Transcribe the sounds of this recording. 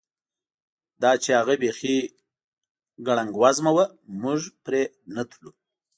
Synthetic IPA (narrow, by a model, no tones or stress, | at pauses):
d̪ɑt͡ʃehaɣabexi | ɡaɽaŋɡwazmawa | muʒpɾe | nat̪ʰlu